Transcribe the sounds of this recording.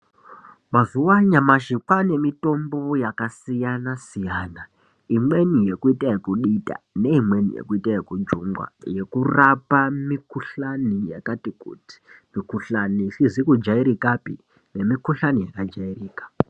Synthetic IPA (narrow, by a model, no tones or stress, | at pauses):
mazuwaɲamaʃikwane̞mito̞mbo̞jakasijanasijaːna | imwe̞nije̞kuitajekuɗita̰ne̞imwe̞nḭje̞̰kuitajekud͡ʒuŋɡwa̰je̞kurapamikuɬanija̰katikṵti̥mikuɬanisizikud͡ʒaiɾikapḭ | ne̞mikuɬanijakad͡ʒairiːkḁ